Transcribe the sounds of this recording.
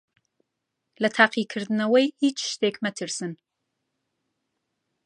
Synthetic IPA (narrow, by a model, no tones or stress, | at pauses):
lɐt̪ʰaːqiːkʰɨɾd̪ɨnɐwejhiːt͡ʃʃt̪eːkmɛt̪ʰɨɾsɨn